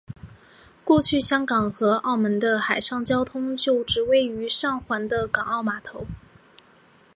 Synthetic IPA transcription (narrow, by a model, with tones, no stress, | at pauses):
kwɔ˥˧t͡ɕʰy˥˩ɕjɑ˥ŋkɑ˨˩ŋxɤ˧˥ʔɑ˥˩ʊmə˧˥nd̪ə˧xa˨˩ɪʂɑ˥˩ŋt͡ɕjɑ˥ʊt̪ʰʊ˥ŋt͡ɕjo˥˩ʊʈ͡ʂɻ̩˧˥we˥ɪy˧˥ʂɑ˥˩ŋxwa˧˥nd̪ə˧kɑ˨˩ŋɑ˥˩ʊma˨˩t̪ʰo˧˥ʊ